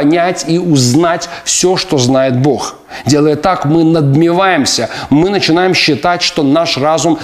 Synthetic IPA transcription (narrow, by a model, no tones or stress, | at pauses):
ɐnʲætʲiʊznatʲfsʲoʂt̪o̞znajɪt̪̚bo̞x | dʲe̞lˠəjət̪akmɨnəd̪mʲɪvajɪmsʲəmɨnət͡ɕɪnajɪmɕːɪt̪atʲʂt̪o̞naʂrazʊm